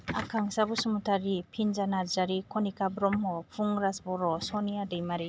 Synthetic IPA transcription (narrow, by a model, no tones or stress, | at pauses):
akʰaŋsabusumutʰaɾipʰinzanazaɾikʰɔnikabɾɔmɦɔpʰuŋɾasbɔɾɔsɔnijadɯjmaɾi